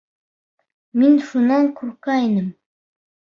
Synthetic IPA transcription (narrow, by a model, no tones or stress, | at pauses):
minʃunɑɴkʉɾkæinɘm